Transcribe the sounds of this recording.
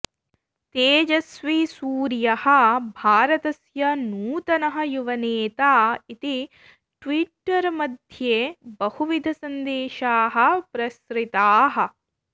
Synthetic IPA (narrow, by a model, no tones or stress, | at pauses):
t̪eːd͡ʒɐsʋisuːɾjɐhɐ̆bʱaːɾɐt̪ɐsjɐnuːt̪ɐnɐɦɐ̆juʋɐneːt̪aːit̪i | ʈʋiʈːɐɾmɐd̪ʱjeːbɐhuʋid̪ʱɐsɐnd̪eːʃaːɦɐ̆pɾɐsɾɪt̪aːɦɐ̆